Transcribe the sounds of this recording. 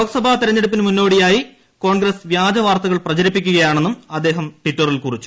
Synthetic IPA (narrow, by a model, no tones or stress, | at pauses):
oːkɐsɐbʱat̪iɾɐɲːeɽup̬ːinɨmunːo̞ːɽijaːji | ko̞ːɳɡrɐsʋjaːd͡ʑɐʋaːrt̪ɐɣɐɭprɐt͡ɕɐɾipːikʲːuɣɐjaːɳe̞nːumɐd̪ːeːɦɐmʈwiʈːɐrilkurit͡ɕːu̥